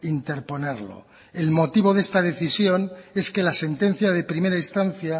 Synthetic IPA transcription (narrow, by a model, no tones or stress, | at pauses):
int̪e̞ɾpo̞ne̞ɾlo̞̰ | elmo̞t̪iβ̞o̞ðe̞st̪að̞e̞θisjo̞ne̞ske̞lase̞nt̪e̞n̟θjað̞e̞pɾime̞ɾaist̪anθja